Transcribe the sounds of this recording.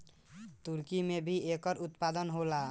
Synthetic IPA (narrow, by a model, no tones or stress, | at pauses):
t̪uɾkimebʱiekɔɾut̪pad̪ənɦola